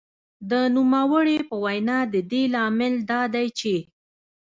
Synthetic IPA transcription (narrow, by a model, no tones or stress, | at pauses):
d̪ənumawəɽepəwajnɑd̪əd̪elɑmɪld̪ɑd̪ajt͡ʃe